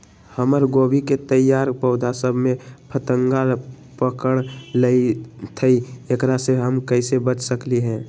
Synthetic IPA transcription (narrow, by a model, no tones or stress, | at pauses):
həməɾɡoːbiket̪əjaːɾpəʊd̪ʱasəbʱmẽpʰət̪əŋɡal | pəkəɽ̃ləit̪ʰəijəkɾaseɦəmkəɪsebət͡ʃʰsəkliɦɛ̃ː